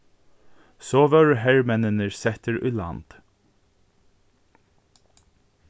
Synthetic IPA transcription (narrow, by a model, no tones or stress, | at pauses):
sɔːʋœɹɦɛɹmɛnənəɹsɛht̪əɹʊ̰jla̰nt̪